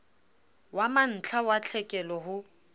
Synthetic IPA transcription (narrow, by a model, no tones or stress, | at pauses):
waman̩t͡ɬʰawat͡ɬʰɛkʼɛlɔɦʊ